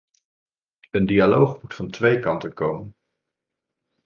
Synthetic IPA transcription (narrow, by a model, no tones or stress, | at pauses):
əndialowχmutfɑntʋejkɑntənkowmən